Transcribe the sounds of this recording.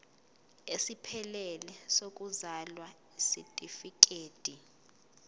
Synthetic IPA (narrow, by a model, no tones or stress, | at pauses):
esipʰɛlɛlɛsok̬ʼuzalwa | isitʼifik̬ʼeːd̥ʱi